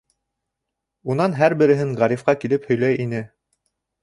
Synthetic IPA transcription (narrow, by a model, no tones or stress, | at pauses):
unɑnɦæɾbɘ̆ɾɘ̆ɦɘɴʁɑɾifqɑkilɘphɵ̆jlæjʔinɘ